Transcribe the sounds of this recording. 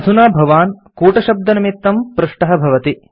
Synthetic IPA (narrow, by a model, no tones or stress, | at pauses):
ɐd̪ʱunaːbʱɐʋaːnkuːʈɐʃɐb̚d̪ɐnɐmit̪ːɐmpɾuʂʈɐɦɐbʱɐʋɐt̪i